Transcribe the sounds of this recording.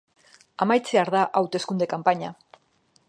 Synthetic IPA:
amajt͡seaɾðaʔawt̪e̞skund̪e̞kampaɲa

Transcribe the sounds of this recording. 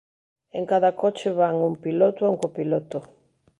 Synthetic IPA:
eŋkaðɐkot͡ʃɪβaŋuŋpilot̪ʊauŋkopilot̪o

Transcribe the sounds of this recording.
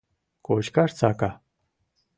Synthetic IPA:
koɕkaɾt͡saka

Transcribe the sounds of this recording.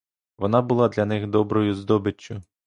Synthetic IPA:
ʋɔnɑbʊlˠɑd̪lʲɐnɪxd̪ɔbɾɔjʊzd̪ɔbɪt͡ʃːʊ

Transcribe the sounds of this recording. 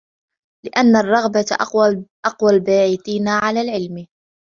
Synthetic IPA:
lɪʔanːarˤːɑɣbaʔʔɑqwalbaːʕiθiːnaʕalaːlʕɪlm

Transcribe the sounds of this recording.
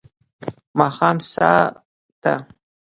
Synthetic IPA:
maχamsa̰ː | tʰa̰

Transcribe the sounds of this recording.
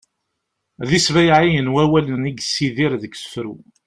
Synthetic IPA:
ðisvæjʕijənwæwæləniɡsiðiɾðəksə̥fɾu

